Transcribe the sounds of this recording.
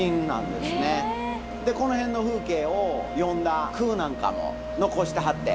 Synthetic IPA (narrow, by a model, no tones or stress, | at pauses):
ĩnːã̰nd̪e̞sɨne̞ | d̪e̞ko̞noɦẽ̞nːo̞ɸɯ̟ːke̞ːojõ̞nd̪akʰɯ̟ːnãŋka̰mo̰ | no̞ko̞ɕi̥t̪aɦat̪ːḛ